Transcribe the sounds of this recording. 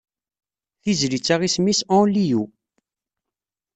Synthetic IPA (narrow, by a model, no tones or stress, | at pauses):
θizlit͡sːaʁismisɑ̃liju